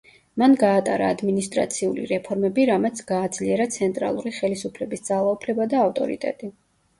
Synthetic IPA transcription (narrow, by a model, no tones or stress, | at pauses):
manɡaːt̪ʼaɾaːd̪minist̪ʼɾa̰t̪sʰiulḭɾɛpʰɔɾmɛbiɾamɛt̪sʰɡ̥aːd̪z̥liɛɾat̪sʰɛnt̪ʼɾa̰lˠuɾiχɛlisupʰlɛbisd̪z̥alˠaupʰlɛbad̪aːft̪ʼɔ̰ɾḭt̪ʼɛ̰t̪ʼi